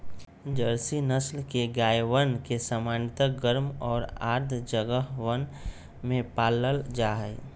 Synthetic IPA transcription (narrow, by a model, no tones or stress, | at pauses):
d͡ʒəɾsinəslkeɡaːjʋənkesəmaːnɪt̪əɡəɾmɔːɾa̰ːɾd̪ʱd͡ʒəɡəɦwən | mẽpaːləld͡ʒaɦɛ